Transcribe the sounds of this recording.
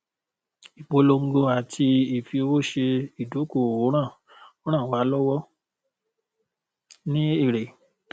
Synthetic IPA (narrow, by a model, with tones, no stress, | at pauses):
i˨k͡po˧lo˧ŋ̩˦ɡo˧a˨tʰi˧i˨fi˧o˧wo˦˨ʃe˧i˨do˨˦ko˦˨o˨˦ɾ̃ã˦˨˦ | ɾ̃ã˦˨wa˨˦lɔ˦wɔ˦ | nĩ˦i˦˨ɾe˨